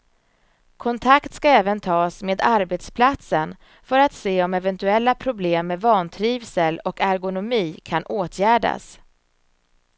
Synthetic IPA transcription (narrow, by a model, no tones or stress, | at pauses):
kʰɔnt̪ʰakt̪skaɛːvənt̪ʰɑːsmeːd̪aɾbet̪spʰlat̪sən | fœɾat̪seːɔmɛvɛnt̪ɵɛlːapʰɾʊbleːmːevɑːnt̪ʰɾiːvsəlɔkæɾɡʊnʊmiːkʰanʔoːt̪ʰjæːɖa̰s